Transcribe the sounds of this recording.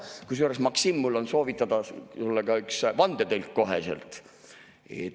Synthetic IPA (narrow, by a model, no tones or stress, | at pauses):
kus̬oɾesmɑksimːulo̞nso̞ːvit̪ːˑɑd̪̥ɑsulːekɑyksvɑnd̪̥et̪elʲkko̞ɦḛsḛlt̪ˑ | ḛt̪